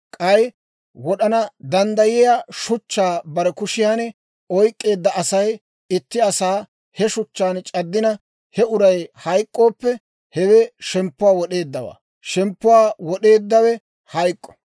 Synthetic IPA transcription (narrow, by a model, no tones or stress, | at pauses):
kʼɐj | wɔɗɐnɐd̪ɐnd̪ɐjɪjaʃʊt͡ʃːaːbɐɾɛkʊʃɪjaːnɛ | ɔjkʼːe̞ːd̪ːɐʔɐsɐj | ɪt̪ːɪɐsaː | hɛʃʊt͡ʃːaːnt͡ʃʼɐd̪ːɪnɐ | hɛʊɾɐjhɐjkʼːo̞ːpːɛ | hɛwɛʃɛmpːʊwaːwɔɗe̞ːd̪ːɐwa̰ː | ʃɛmpːʊwaːwɔɗe̞ːd̪ːɐwɛ | hɐjkʼːɔ̥